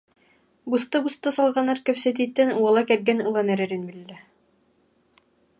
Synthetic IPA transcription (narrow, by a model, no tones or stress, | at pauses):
bust̪ɤbust̪ɤsɑlˠʁɑnɑɾkæwsæt̪̬it̪ːænuɑlˠɑkæɾɡænɯ̆lˠɑnæɾɘ̆ɾɘnbilːæ